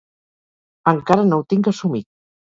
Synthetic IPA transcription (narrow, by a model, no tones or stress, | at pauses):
əŋkaɾənowt̪iŋkəsumit̪̚